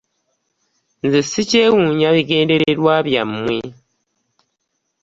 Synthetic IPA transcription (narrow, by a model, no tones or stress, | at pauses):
nzisiceːwuɲaβiɡe̞ːnde̞ɾeɾwaβjamːwe